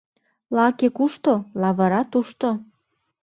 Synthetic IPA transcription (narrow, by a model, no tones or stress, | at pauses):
lɑkekuʃt̪olɑβɤ̆ɾɑt̪uʃt̪o